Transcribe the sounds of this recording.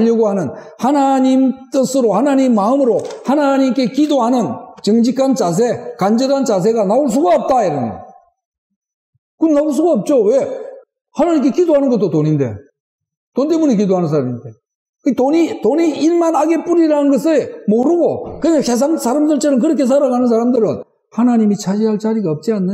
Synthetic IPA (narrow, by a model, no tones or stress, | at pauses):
aʎːʌɡoɦanɯn | hanaɲimt͈ɯsʰɯɾohanaɲimːaɯmɯɾohanaɲimk͈e̞kidoɦanɯnt͡ɕɯŋd͡ʑikʰant͡ɕas̬ʰe̞kand͡ʑeɾant͡ɕas̬ʰe̞ɡanauɭs̬ʰuɡaop̚t͈aiɾʌne | kɯnauɭs̬ʰuɡaop̚t͡ɕ͈owe̞ | hanaɲimk̬͈e̞kidoɦanɯnɡʌt͈ːotoɲinde̞̰ | tonte̞munekidoɦanɯns̬ʰaɾamide | kɯtoɲitoɲiːɭmanaɡe̞p͈uɾiɾanɯnɡʌsʰemoɾɯɡokɯɲase̞s̬ʰaŋsʰaɾamsɯɭt͡ɕ͈ʰenɯnk̬ɯɾʌkʰe̞s̬ʰaɾaɣanɯns̬ʰaɾamdɯɾɯn | hanaɲimit͡ɕʰad͡ʑiɦaɭt͡ɕaɾiɡaʌp̚t͡ɕ͈ianːɯ